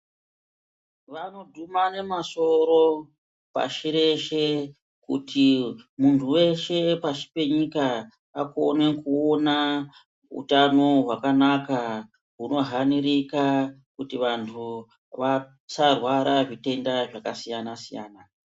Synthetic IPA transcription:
ʋano̞dʱumane̞maso̞ɾo̞ | pa̰ʃiɾe̞ʃe̞ | kṵtʰimuntʰuwe̞ʃe̞paʃi̥pe̞ɲika | ako̞ne̞kuo̞na | ṵtano̞ɦwakanaka | ɦuno̞ɦanirikakutiʋantʰu | ʋa | sarwaɾaʐite̞ndaʐakasijanasija̰ːna

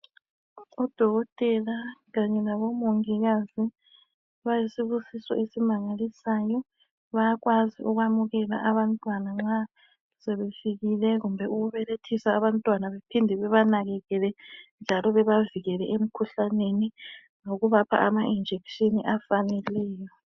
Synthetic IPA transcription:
ɔd̥ʱɔɣɔtʼɛlaɣaɲɛlaβomoŋiɣazi | βajisiβusisɔ̰ʔesimaŋalisaːjɔ | βaaɣwaziʔuɣwamuɣɛla̰ʔaβantʼwanaŋ͡ǁa | sɛβefiɣilɛɣumbʱɛuɣuβɛletʰisaːβantʼwanaβepʰindʱɛβɛβanaɣɛɣɛlɛnd͡ʒʱalɔβɛβaviɣɛlɛʔem̩kʰuɬaneni | ŋoɣuβapʰa̰ʔamaʔind͡ʒʱɛkʃiniʔafanɛlɛːjɔ

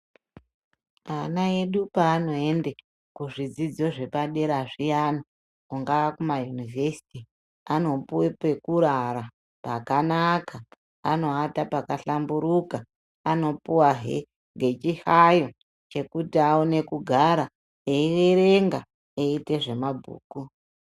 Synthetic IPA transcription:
anaeɗupaːno̞ende | kuʐid͡zid͡zo̞ʐe̞paɗe̞ɾaʐijana | kuŋɡaakumajunivesi̥ti | ano̞puwepe̞kuɾaɾa | pakanaka | ano̞atapakaɬambuɾukaː | no̞puwaɦe | ŋɡe̞t͡ʃihajo̞ | t͡ʃe̞kutiaune̞kuɡʱaɾa | eiweɾe̞ŋɡa | eite̞ʐe̞mabʱṵːku

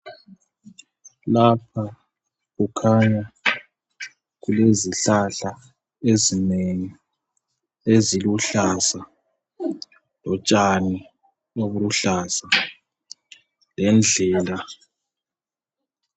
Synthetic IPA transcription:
lapʰa | ɣukʰaɲa | ɣuleziɬaɬa | ezineŋi | eziluɬasa | lɔt͡ʃʼani | oβuluɬaːsa | lɛnd͡ɮʱɛːla

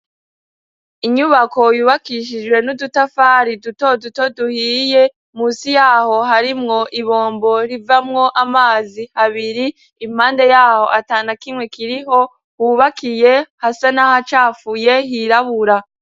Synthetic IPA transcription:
iɲuβako̞juːβakiʃ̬id͡ʒɡwe̞nudutafaːɾiduto̞duto̞duhiːje̞ | muːsijaːho̞ɦaɾimŋo̞ʔiβo̞ːmbo̞ɾivamŋo̞ʔamaːzihaβiɾiː | m̥haːnde̞jaːho̞̰ʔataːnakimŋe̞kiɾiɦo | huːβakijehasanahat͡ʃaːfuje̞ɦiɾaβuɾa

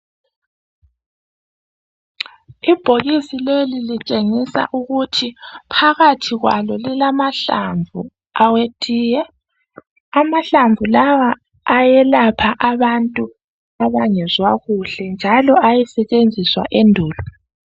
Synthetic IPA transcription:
ib̥ʱoɣisilelilit͡ʃʼeŋisa̰ʔuɣutʰipʰaɣatʰiɣwa̰lɔlilamaɬa̰ɱvʱṵ | awetʼiːjɛ | amaɬaɱvulawaː | jɛlapʰaʔaβantʼu | aβaŋɛzwaɣuɬɛnd͡ʒʱalɔajɛsɛt͡ʃʼend͡zʱiswa̰ʔendʱuːlɔ

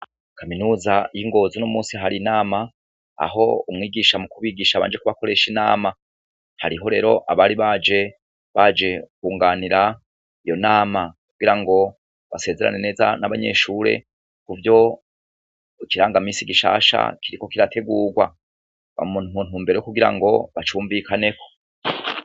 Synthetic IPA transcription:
kʰaminuːzajiŋɡo̞zinomuːnsiɦaɾinaːma | a̰ɦo̞̰umŋiːɡiʃamukuβiːɡiʃaβa̰ːnd͡ʒe̞kuβako̞ɾe̞ʃinaːma | haɾiɦo̞ɾe̞ːɾo̞ʔaβaːɾiβaːd͡ʒe̞ | βad͡ʒe̞kuːŋɡaːniɾa | ijo̞naːmakuɡiɾaŋɡo̞ | βase̞ːze̞ɾa̰ne̞ne̞ːza̰naβaɲe̞̰ːʃuːɾe̞̰ | kuvjo̞ | kiɾaːŋɡamiːsiɡiʃa̰ːʃa̰kʰiɾiko̞kiɾatʰe̞ɡuːɡwa̰ | βa̰munuːnuːmbe̞ɾejokuɡiɾa̰ŋɡo̞βat͡ʃuːɱvikʰane̞ko̞

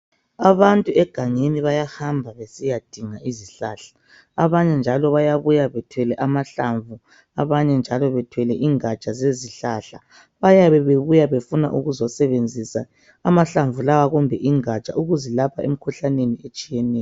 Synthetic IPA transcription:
aβantʼuɛɡ̥ʱaŋeniβajahambʱaβesijad̥ʱiŋaiziɬaːɬḁ | aβaɲɛnd͡ʒʱalɔβajaβujaβɛtʰwɛlɛʔamaɬaɱvu | aβaɲɛnd͡ʒʱalɔβɛtʰwɛlɛʔiŋat͡ʃʼazeziɬaɬa | βajaβɛβeβujaβefuna̰ʔuɣuzɔsɛβend͡zʱisaː | maɬaɱvulawaɣumbʱɛʔiŋat͡ʃʼa̰ʔuɣuzɛlapʰaḛm̩kʰuɬaneniet͡ʃʼijɛnɛːjɔ

